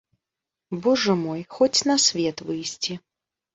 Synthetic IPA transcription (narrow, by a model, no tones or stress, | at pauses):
bɔʐɐmɔjxɔt͡sʲnɐsʲvʲɛt̪vɨjsʲt͡sʲi